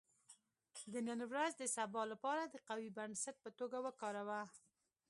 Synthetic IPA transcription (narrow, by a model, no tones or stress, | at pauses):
d̪ənənwɾazd̪əsabɑlapɑɾad̪əqawibansat̪̚pət̪oɡawəkɑɾawa